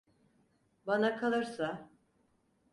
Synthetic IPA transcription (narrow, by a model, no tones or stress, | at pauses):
banakʰalˠɯɾsa